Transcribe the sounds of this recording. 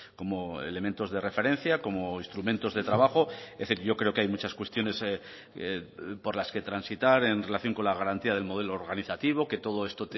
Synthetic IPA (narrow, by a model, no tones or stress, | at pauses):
ko̞moḛle̞ment̪o̞zðe̞re̞fe̞ɾẽ̞n̟θjako̞moist̪ɾumẽ̞nt̪o̞zðe̞t̪ɾaβaxo̞eθiɾʝo̞kɾeo̞keajmut͡ʃaskwe̞st̪jo̞ne̞s | po̞ɾlaske̞t̪ɾansit̪aɾe̞nre̞laθjoŋko̞nlaɣ̞aɾant̪iað̞e̞lmo̞ð̞e̞loːɾɣaniθat̪iβ̞o̞ke̞t̪o̞ð̞o̞e̞st̪ot̪